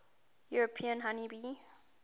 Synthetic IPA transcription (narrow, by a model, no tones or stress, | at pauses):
juɹopʰiə̃nɦanibi